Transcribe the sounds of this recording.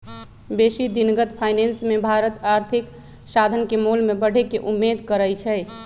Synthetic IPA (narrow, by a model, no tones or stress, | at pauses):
besid̪inɡət̪pʰajnensmebʱaɾət̪aɾt̪ʰik | sad̪ʱənkemulmebəɽ̤ʱekeʔumːed̪ʱkəɾəjt͡ʃʰɛj